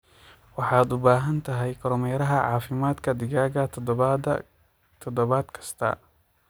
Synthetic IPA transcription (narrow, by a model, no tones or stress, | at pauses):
wɑħɑːd̪ʊbaːɦɐnt̪ʰɐɦɛjkʰɔɾɔmɛjɾɐɦɐʕɑ̰ːfɪmaːd̪kʰɐd̪ɪɣaːɣɐ | t̪ʰɔd̪ɔβaːd̪kʰɐ̥st̪ʰɐ̰